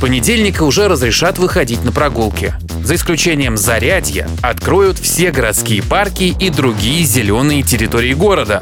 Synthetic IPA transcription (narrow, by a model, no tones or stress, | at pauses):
pənʲɪdʲelʲnʲɪkəʊʐɛɾəzɾʲɪʂat̪vɨxɐdʲit̚ʲnəpɾɐɡulˠkʲɪ | zəɪsklʲʉt͡ɕenʲɪjəmzɐɾʲædʲjə̰ | ɐt̪kɾo̞jʊt̪fsʲe̞ɡəɾɐt̪skʲijəparkʲɪid̪ɾʊɡʲijəzʲɪlʲo̞nːɨjətʲɪɾʲɪt̪o̞ɾʲɪɪɡo̞ɾəd̪ə